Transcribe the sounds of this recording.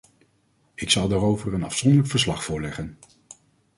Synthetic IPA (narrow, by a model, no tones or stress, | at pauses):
ɪksɑlˠdaːɾowvəɹənɑ̰fsɔndələkfəɹslɑχfʊːɹlɛχən